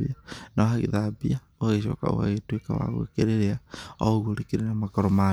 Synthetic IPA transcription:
ianaoɦaɣḭðabia | ohaɣeʃɔ̰ka̰o̰ha̰ɣetweka̰wa̰ɣo̰ekeɾeɾeaɔɣoɾekeɾenamakɔɾɔma

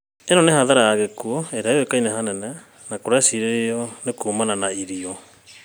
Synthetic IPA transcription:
enɔnehaðaɾajaɣekuɔeɾeaewekainɛɦanɛnɛ | nakoɾeasiɾeɾeɔnekoːmananaiɾiɔ

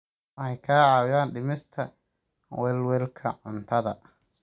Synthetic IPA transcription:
ɛjkʰaːʕɑːwɪjaːnɖɪmɪst̪ʰɐ | wɛlwɛlkʰɐʕʊnt̪ʰɐðɐ

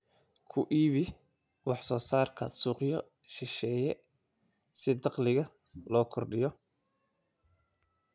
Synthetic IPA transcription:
kʰʊʔiːβɪ | wɑħsɔːsaːrkʰɐsuːqjɔ | ʃɪʃɛːjɛ | sɪd̪ɑqlɪɣɐ | lɔːkʰɔrɖɪjɔ

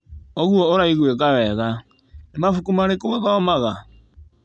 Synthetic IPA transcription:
oɣuɔoɾaiɣwekawɛɣa | emafukumaɾekoɣaɣaɔmaɣa

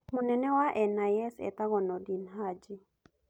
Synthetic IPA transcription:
munɛnɛwaʔɛnajɛsɛ̰t̪aɣɔnɔdinɦad͡ʒɪ

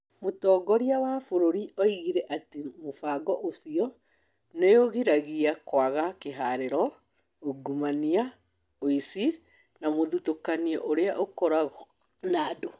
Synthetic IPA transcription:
motɔːɡɔɾiawafoɾoɾiɔiɣiɾɛʔatemofaːɡɔʔosiɔ | nejoɣiɾaɣiakwaɣakeɦaɾeɾɔ | oɡumania | oisi | namoðutokaniɔʔoɾeaʔokɔɾaɣɔ | naːdo

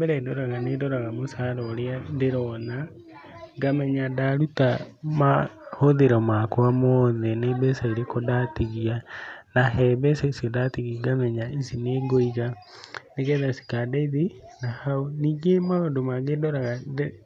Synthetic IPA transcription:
bɛɾɛdɔɾaɣanedɔɾaɣamosaɾɔːɾeadeɾɔna | ɡamɛɲadaɾutamahoðeɾɔmakwamɔðɛnebɛsaiɾekodatiɣianaɦɛbɛsaisiɔdatiɣiɡamɛɲaisineɡoiɣa | neɣɛðasi̥kadaiðe | nahaoniːɡemaondomaɡedɔɾaɣade

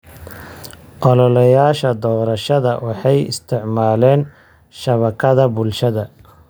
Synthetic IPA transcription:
ʔɔlɔlɐjaːʃɐd̪ɔːɾɐʃɐðɐwɑħɑjɪ̰st̪ʰɪʕmaːlɛːn | ʃɐβɐkʰɐðɐbʊlʃɐðɐ

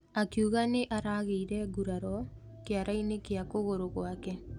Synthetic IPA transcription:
akjuɣaneʔaɾaɣeiɾɛɡuɾaɾɔ | keaɾainekeakoɣoɾoɣwakɛ

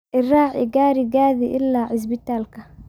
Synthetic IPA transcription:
ʔɪrɑːʕɪɡaːɾɪɡaːðiʔɪlːaːʕɪs̬bɪt̪aːlkʰɐ

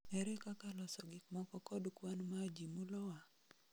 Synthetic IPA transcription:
ɛɾɛkakalɔsɔɡɪkmɔkɔkɔdkwanmad͡ʒimulɔwa

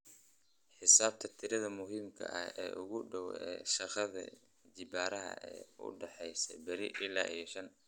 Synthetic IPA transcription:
ħɪsaːb̚t̪ʰɐt̪ʰɪɾɐðɐmʊɦiːmkʰɐ̰ʔɐhɛ̰ːʔʊɣʊɖɔwɛːʃɐqɑðɐ̰ | d͡ʒɪbaːɾɐɦɐ̰ɛ̰ːʊ̰ɖɛħɛjsɐ̰bɐɾɪ̰ʔɪlːaːʔijɔʃɐn

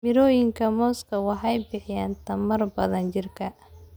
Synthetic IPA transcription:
mɪɾɔːjɪŋkʰɐmɔːskʰɐwɑħɑjbɪħɪjaːnt̪ʰɐmɐrbɐðɐnt͡ʃɪrkʰɐ

